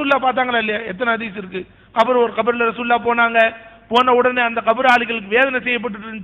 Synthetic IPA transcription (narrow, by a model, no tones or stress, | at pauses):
uːlaːpaːɾt̪aːŋɡɐɭaːɪlːɐjaːɛt̪̬ːɐnɐɐðiːsɪɾɯkːɯ | ɐpːɯɾõɔɾɯkɐbɯɾlɐɾɐsuːllaːpoːnaːŋɡɐpoːnɐʊɽɐneːɐnd̪ɐkɐbɯɾaːɭɪɣɐɭɯk̬ːɯʋeːðɐnɐsɛjːɐp̬ːɐʈ̬ːɯʈːɯn